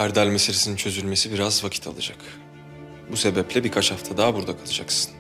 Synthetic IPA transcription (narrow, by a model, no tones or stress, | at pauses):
æɾd̪ælʲmeseɾʲesinint͡ʃʰøzylʲme̞sibiɾazvacʰit̪ʰa̰lˠɯ̰d͡ʒak | buse̞bɛplʲɛbiɾkʰat͡ʃhaft̪ʰad̪aːbuɾd̪akʰalˠɯd͡ʒa̰ksɯ̥n